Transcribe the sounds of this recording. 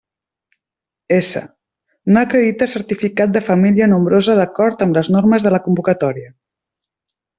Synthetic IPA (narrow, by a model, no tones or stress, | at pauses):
esə̰ | noəkɾəðit̪əsəɾt̪ifikat̪̚d̪əfəmiliənumbɾozəð̞əkɔɾt̪əmləznoɾməzðələkumbukət̪ɔɾiə